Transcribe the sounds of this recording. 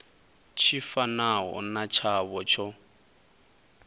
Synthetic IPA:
t͡ʃʰifanaɦɔ̰nat͡ʃʰaβɔt͡ʃʰɔ

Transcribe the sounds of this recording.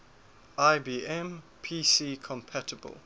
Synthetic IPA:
aɪbiːɛ̃mpʰiːsiːkʰɔ̃mpʰætəbə̰lˠ

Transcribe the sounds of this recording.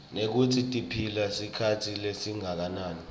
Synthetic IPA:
nek̬utʰitʼipʰilasikʰatʰilesiŋak̬anaːni

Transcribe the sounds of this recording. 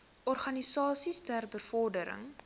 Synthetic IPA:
ʔɔrχɐnisɑːsistærbəfɔrdəɾə̰ŋ

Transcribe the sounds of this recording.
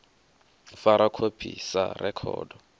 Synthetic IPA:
faɾakʰopʰisa̰rɛkʰɔ̰ːdɔ

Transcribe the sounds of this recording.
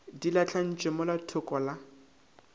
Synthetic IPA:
dilat͡ɬʰan̩t͡ʃʼɪmʊlatʰʊkʼɔla

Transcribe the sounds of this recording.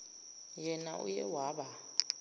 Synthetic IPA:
jɛnaʔṵjɛwaɓa

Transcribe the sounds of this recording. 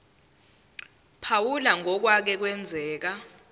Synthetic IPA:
pʰawulaŋɔk̬wak̬ɛk̬wɛnd͡zʱɛːk̬a

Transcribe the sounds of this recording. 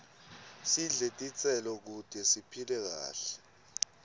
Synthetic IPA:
siɮetʼit͡sʼɛlɔk̬ud̥ʼʱɛsipʰilɛk̬a̰ːɬɛ̥

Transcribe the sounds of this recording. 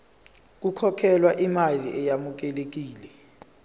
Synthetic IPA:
k̬ukʰɔkʰɛlwaʔimaliʔɛjamuk̬ɛlek̬iːlɛ

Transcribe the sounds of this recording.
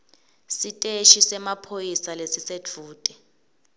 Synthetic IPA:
sitʼeʃisɛmapʰojisalesised͡vʰʱuːtʼɛ

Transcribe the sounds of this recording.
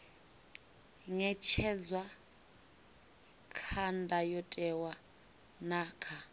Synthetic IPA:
ŋɛt͡ʃʰɛd͡zwa | kʰandʱajɔtʼɛwa | naːkʰa

